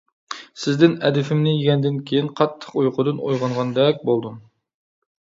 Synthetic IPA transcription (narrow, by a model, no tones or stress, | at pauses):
sɪzd̪ɪnɛd̪ɪfɪmnɪjiɡʲɛnd̪ɪnkʲʰejinqʰɑt̪ʰːə̥qujqʰʊd̪ɨnojʁɑnʁɑnd̪ɛkʲbolˠd̪um